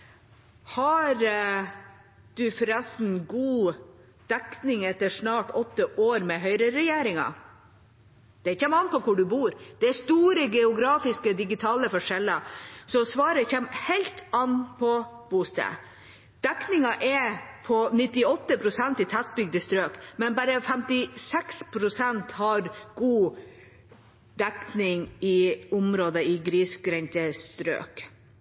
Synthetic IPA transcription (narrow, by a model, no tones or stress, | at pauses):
hɑɾ | d̪̥ʉfɾɛsn̩ɡuː | d̪̥ɛknɪŋɛt̪ːəʂnɑːʈɔt̪ːəʔoːɾmɛɦœʏɾəɾɛjeːɾɪŋɑ̰ | d̪̥ɛçɛmɑnpɔkʰʊɖʉbuːɾd̪̥ɛːst̪uːɾəɡɛʊɡɾɑːfɪskəd̪ɪɡɪt̪ʰɑːləfɔʂɛlːəsɔsʋɑːɾəçɛmhɛɪlt̪ɑnːpʰɔb̥ʊst̪ə̰ | d̪̥ɛknɪŋɑʔɛpʰɔnɪt̪ːɪɔt̪ːəpʰɾʊsɛnt̪ɪt̪ʰæt̪̚bʏɡ̚d̪əst̪ɾøːkmɛnbæɾəfɛmt̪ɪsɛkspʰɾʊsɛnt̪hɑɾɡ̥uː | d̪ɛknɪŋɪʊmɾoːd̪əɪɡɾiːsɡɾɛnt̪əst̪ɾø̰ːk